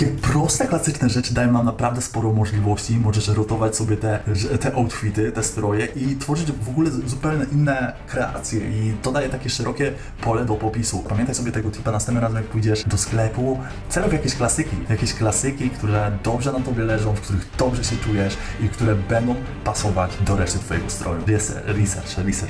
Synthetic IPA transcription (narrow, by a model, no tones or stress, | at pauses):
kʲɛpɾɔst̪ɛklasɘt͡ʂnɛʐɛt͡ʂɘd̪ajɛmnamnapɾavd̪ɛspɔɾɔmɔʐlʲivɔɕt͡ɕimɔʐɛʂɾɔt̪ɔvat͡ɕsɔbʲjɛt̪ɛt̪ɛʔɔwt̪fʲit̪ɘt̪ɛst̪ɾɔjɛʔit̪fɔʐɘd͡ʑvɔɡulɛzupɛwɲɛʔinːɛkɾɛa̰t̪sʲjɛʔit̪ɔd̪ajɛt̪akʲɛʂɛɾɔkʲɛ | pɔlɛd̪ɔpɔpʲisupamʲjɛnt̪ajsɔbʲɛt̪ɛɡɔt̪ʲipanasɛnt̪nmɾazɛmjak̚pujd͡ʑɛʂd̪ɔsklɛpu | t̪sɛlɛfjakʲɛɕklasɘkʲijakʲɛɕklasɘkʲikt̪uɾɛd̪ɔbʐɛnat̪ɔbʲjɛlɛʐɔ̃w̃fkt̪uɾɘɣd̪ɔbʐɛɕɛt͡ʂujɛʂifkt̪uɾɛbɛnd̪ɔ̃w̃ | pasɔvad͡ʑd̪ɔɾɛʂt̪ɛt̪fɔjɛɡɔst̪ɾɔjuɾɛsɛ̰ɾisɛɾt͡ʂɛɾisɛɾ